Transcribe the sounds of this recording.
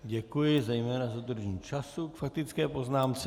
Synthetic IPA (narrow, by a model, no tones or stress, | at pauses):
ɟɛkujɪzɛjmɛːnazad̪r̩ʒɲiːt͡ʃasukfak̚t̪ɪt͡skɛːpo̞znaːmt͡sɛ